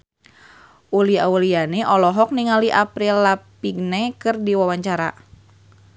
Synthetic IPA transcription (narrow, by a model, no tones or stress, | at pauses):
ʔuliaulianɛʔɔlɔɦɔk̚niŋaliʔapɾilːapiɡnɛkɨrdiwawaɲt͡ʃaɾa̰